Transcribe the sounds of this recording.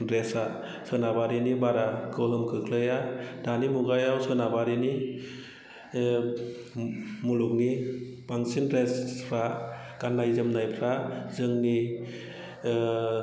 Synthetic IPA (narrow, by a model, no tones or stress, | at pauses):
ɾesa | sɯnabaɾinibaɾaɡɯwɦɯmkʰɯkʰlɯjad̥animuɡajawsɯnabaɾini | muluk̚nibaŋsinɾespʰɾa | ɡ̥anːajzɯmnajpʰɾazɯŋni